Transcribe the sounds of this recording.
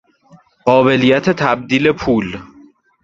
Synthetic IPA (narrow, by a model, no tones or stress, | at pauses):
ɢɒːbe̞lijæt̪ʰet̪ʰæb̚d̪iːle̞pʰuːl